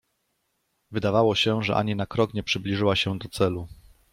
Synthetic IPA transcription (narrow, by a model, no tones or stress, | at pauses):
vɘd̪avawɔɕɛʐɛ̰ʔa̰ɲinakɾɔkɲɛpʂɘblʲiʐɘwaɕɛd̪ɔt̪sɛlu